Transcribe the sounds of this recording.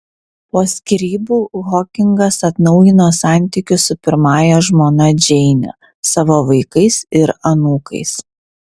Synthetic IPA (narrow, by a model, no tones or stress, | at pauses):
poːsʲkʲɪɾʲiːbuːɣɔkʲɪŋɡɐsɐt̪nɒʊjɪnoːsɑˑnʲt̪ʲɪkʲʊsʊpʲɪɾmɑːjɛʒmoːnɐd͡ʒʲɛɪnʲo̰ | sɑːʋoːʋɐɪkɐɪsɪɾɐnuːkɐ̰ɪs